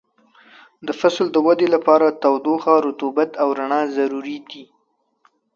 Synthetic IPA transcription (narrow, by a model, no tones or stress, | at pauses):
d̪əfasld̪əwad̪elapɑɾat̪awd̪oxɑɾʊt̪ubat̪awɾaɳɑzaɾuɾid̪i